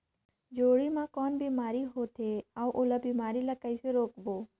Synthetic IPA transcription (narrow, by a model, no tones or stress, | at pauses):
d͡ʒoːɽimãkɔːnbiːmaːɾiɦoːt̪ʰeːaʋʔoləbiːmaːɾilakəiseɾoːkboː